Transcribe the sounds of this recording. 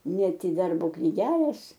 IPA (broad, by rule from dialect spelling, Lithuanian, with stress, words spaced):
ˈnʲɛt ɪ ˈdɐrboː knʲɪˈɡʲæːlʲeːs